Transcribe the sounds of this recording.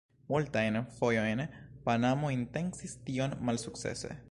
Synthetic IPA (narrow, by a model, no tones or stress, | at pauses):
mult̪aenfojonpanamoint̪eŋsist̪ionmalsuksḛsḛ